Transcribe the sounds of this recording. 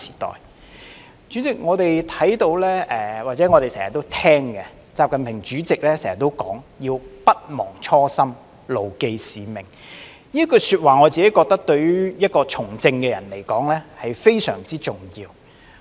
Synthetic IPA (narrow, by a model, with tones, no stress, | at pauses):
si̥ː˨˩t̪ɔ̰ː˨˩j | t͡ʃyː˨˥t͡sɪ˨k̚ŋɔː˨˧t̪e˨jt̪ʰɐ˨˥jt̪o˨˧wlɛː˥ʔɛː˨˩waː˨˩t͡sɛː˨˥ŋɔː˨˧ɾe˨jsɛː˨˩jɐ˨t̪ːo˥wt̪ʰɛː˥ŋkɛ˧ | t͡saː˧p̚kɐ˨npʰɪ˨˩ŋt͡ʃyː˨˥t͡sɪ˨k̚lɛː˥sɛː˨˩ŋjɐ˨˩t̪ːo˥wkɔː˨˥ŋjiː˧wpɐ˥t̚mɔː˨˩ŋt͡ʃʰɔː˥sɐ˥m | lo˨wke˧jsiː˨˧mɪ˨˩ŋ | niː˥kɵ˧syː˧t̚waː˨ŋɔː˨˧t͡siː˨ke˨˥jkɔː˧k̚t̪ɐ˥k̚t̪ɵ˧ɥy˥jɐ˥t̚kɔː˧t͡ʃʰʊ˨˩ŋt͡sɪ˧ŋkɛː˧jɐ˨˩nle˨˩jkɔː˨˥ŋlɛː˥hɐ˨jfe˥jsœ̰ː˨˩ŋt͡siː˥t͡sʊ˨˩ŋjiː˧w